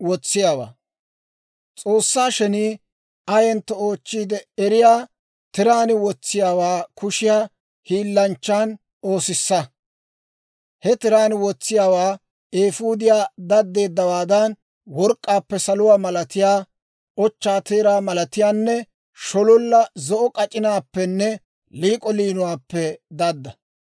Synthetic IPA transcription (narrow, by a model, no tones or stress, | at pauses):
wɔt͡sːɪjaːwa̰ː | t͡sʼo̞ːsːaːʃɛniː | ɐjɛnt̪ːɔo̞ːt͡ʃːiːd̪ɛɛɾɪjaː | t̪ɪɾaːnɪwɔt͡sːɪjaːwaːkʊʃɪjaː | hiːlːɐnt͡ʃːaːn | oːsɪsːɐ | hɛt̪ɪɾaːnɪwɔt͡sːɪjaːwaː | eːfuːd̪ɪjaːd̪ɐd̪ːe̞ːd̪ːɐwaːd̪ɐn | wɔɾkʼːaːpːɛsɐlʊwaːmɐlɐt̪ɪjaː | ʔɔt͡ʃːaːt̪eːɾaːmɐlɐt̪ɪjaːnːɛ | ʃɔlɔlːɐzɔʔɔkʼɐt͡ʃʼːɪnaːpːɛnːɛ | liːkʼɔliːnʊwaːpːɛd̪ɐd̪ːɐ